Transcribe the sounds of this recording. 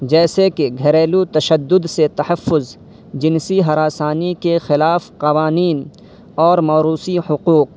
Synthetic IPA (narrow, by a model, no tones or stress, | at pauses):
d͡ʒɛːsekeɡʱɐɾeːlut̪ɐʃəd̪ːʊd̪set̪ɐhɐfːʊz | d͡ʒɪnsiɦɐɾaːsaːnikexɪlaːfqɐʋaːniːn | ɔːɾmaːɾuːsihʊquːq̚